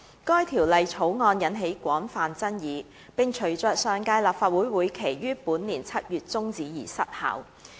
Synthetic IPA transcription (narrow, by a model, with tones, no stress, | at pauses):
kɔː˥jt̪ʰiː˨˩wlɐ˨jt͡sʰo˨˥wŋɔː˧njɐ˨˧˥nɦe˨˥jkʷɔː˨˥nfaː˨nt͡sɐ˥njiː˨˧ | pɪ˨ŋt͡ʃʰɵ˨˩ɥt͡sœː˨˧k̚sœː˨˩ŋkaː˧jlaː˨p̚faː˧t̚wuː˨˥jwuː˨˥jkʰe˨˩jjyː˥puː˨˥nliː˨˩nt͡sʰɐ˥t̚jyː˨t̚t͡sʊ˥ŋt͡siː˨˥jiː˨˩sɐ˥t̚ha̰ː˨˥w